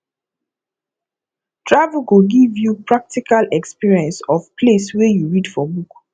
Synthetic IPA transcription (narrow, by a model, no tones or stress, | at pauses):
tʰɹavuɡoɡivjupɹak̚tikalɛkspiɹiɛ̃nsɔfpʰleswɛjuɹidfɔbuk